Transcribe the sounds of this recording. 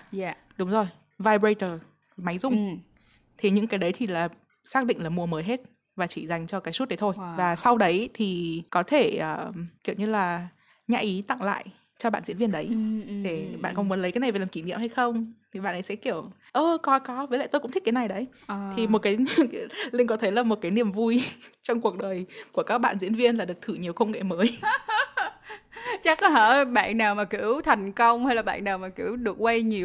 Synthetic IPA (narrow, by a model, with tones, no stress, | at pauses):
ɗʊ˨˦ŋ͡mzo˨˩j | vaː˧jbɹə˧jt̪əː˨˩ | ma˨˦jzʊ˨˧˩ŋ͡m | t̪ʰi˨˩ɲɨ̰˧˥ŋkaː˨˦jɗə˨˦jt̪ʰi˨˩laː˨˩ | saː˦˥k̚ɗḭ̈˧˨ŋ̟laː˨˩mu˧˩əməː˨˦jɦe˦˥t̚ | vaː˨˩t͡ɕi˧˩za˨˩jŋ̟t͡ɕɔ˧kaː˨˦jsu˦˥t̚ɗə˨˦jt̪ʰo˧jvaː˨˩sa˧wɗə˨˦jt̪ʰi˨˩kɔ˨˦t̪ʰe˧˩ʔəː˨˩ki˧˩əwɲɨ˧laː˨˩ | ɲa̰ː˧ʔi˨˦t̪a̰˧˨ŋla̰ː˧˨j | t͡ɕɔ˧ɓa̰ː˧˨nzḭ˧˥ənvənɗə˨˦jɗe˧˩ɓa̰ː˧˨nkɔ˨˧nmu˨˦ənlə˨˦jkaː˨˦jna˨˩vːlaː˨˩ki˧˩nḭ˧˨əmha˧jxə˧wŋ͡mt̪ʰi˨˩ɓa̰ː˧˨nʔə˨˦jsɛ̰˧˥ki˧˩əw | ʔəː˨˩kɔ˨˦kɔ˨˦vəː˨˦lə̰˧˨jt̪o˧jkʊ̰˧˥t̪ʰi˦˥k̚ːjna˨˩jɗə˨˦j | t̪ʰi˨˩mo˨˩t̚kaː˨˦jlï˧ŋ̟kɔ˨˦t̪ʰə˨˦jlaː˨˩mo˨˩t̚kaː˨˦jnḭ˧˩əmvu˧jt͡ɕɔ˧wŋ͡mku˨˩ək̚ɗəː˨˩jku˧˩əkaː˦˥k̚ɓa̰ː˧˨nzḭ˧˥ənvi˧ənlaː˨˩ɗɨ˨˩ək̚t̪ʰɨ˧˩ɲi˨˩əwkə˧wŋ͡mŋḛ˧˨məː˨˦j | t͡ɕa˦˥kəː˧˩ɓa̰ː˧˨nnaː˨˩wmaː˨˩ki˧˩əwt̪ʰa˨˩jŋ̟kə˧wŋ͡mha˧jlaː˨˩ɓa̰ː˧˨nnaː˨˩wmaː˨˩ki˧˩əwɗɨ˨˩ək̚wə˧jɲi˨˩ə